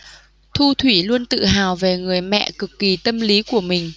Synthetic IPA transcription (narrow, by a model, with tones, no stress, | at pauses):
t̪ʰu˧t̪ʰwi˧˩lu˧ənt̪ɨ̰˧˨ɦaː˨˩wve˨˩ŋɨ˨˩əjmɛ̰˧˨kɨ˨˩kːi˨˩t̪ə˧mli˨˦ku˧˩əmï˨˩ŋ̟